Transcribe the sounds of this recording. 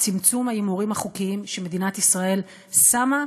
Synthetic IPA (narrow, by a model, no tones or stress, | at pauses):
t͡simt͡sumhajimuʁimhaχukiimʃeme̞d̪inat̪isʁae̞l | sama